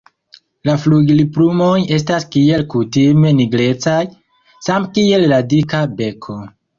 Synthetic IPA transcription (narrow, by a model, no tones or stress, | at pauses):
lafluɡliplumo̞je̞staskie̞lkutime̞niɡle̞t͡saj | samkie̞lːadikabe̞kʰo̞